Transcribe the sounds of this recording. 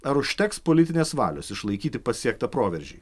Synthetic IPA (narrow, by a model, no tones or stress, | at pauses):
ɐɾʊʃʲt̪ʲɛkspolʲɪt̪ʲɪnʲeːsʋɑːlʲoːsɪʃlˠɐɪkʲiːt̪ʲɪpɐsʲiɛkt̪ɐpɾoːʋʲɛɾʲʒʲḭː